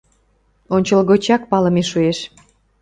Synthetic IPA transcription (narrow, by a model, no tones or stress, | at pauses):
onʲt͡ɕəlɣot͡ɕɑk̚pɑləmeʃueʃ